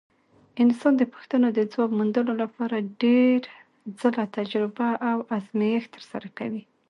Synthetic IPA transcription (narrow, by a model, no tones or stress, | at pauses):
ɪnsɑnd̪əpə̥xt̪anod̪əd͡zwɑɡmund̪əlolapɑɾaɖeɾ | d͡zəlat̪ad͡ʒɾɪbaʔawazmijext̪əɾsa̰ɾakawi